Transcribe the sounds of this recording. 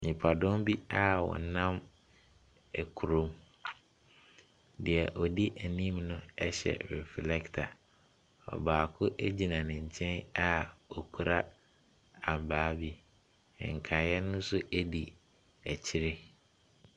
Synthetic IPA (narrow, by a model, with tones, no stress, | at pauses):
ɲĩ˨pʰa˨dʊ̃˦mbi˦a˦wɔ̰˨nã˦m | ɛ˨kʰu˨ɾõ˨˦m | dɪ˨ɛ˨ʔɔ˨di˦ʔæ˨nĩ˦mnʊ̃˦ɛ˦ɕɛ̰˨ɾɛ˨flɛ˦ktʰa̰˨ | ɔ̰˨baː˨kʰʊ˦ʔæ˦d͡ʑi˨nã˨nɪ̃˨ɲ̩˨t͡ɕʰɛ̃˦na˦ɔ˨kʰu˨ɾa˦ | a˨m˨baː˨˦bi˦˨ | ŋ̩˨kʰa˨jɛ˦nʊ̃˦sʊ˦ʔæ˦di˨ | æ˨t͡ɕʰɪ˦ɾɪ˦